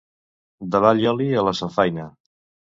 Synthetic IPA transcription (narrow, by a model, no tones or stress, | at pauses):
d̪əβaʎɔliələsəfajnə